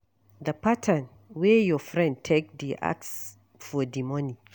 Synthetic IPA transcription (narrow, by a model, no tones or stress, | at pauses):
d̪əpatʰãn | wɛjɔfɹɛ̃nd̚tʰek̚d̪iʔa̰ks | fɔdimɔni